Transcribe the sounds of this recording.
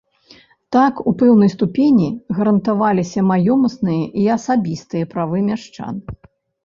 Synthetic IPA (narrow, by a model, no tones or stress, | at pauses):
t̪akupɛwnɐjst̪upʲenʲiɣɐɾɐnt̪avalʲisʲɐmajɔmɐsnɨjɐʔiɐsabʲist̪ɨjɐpɾavɨmʲaʂt͡ʂa̰n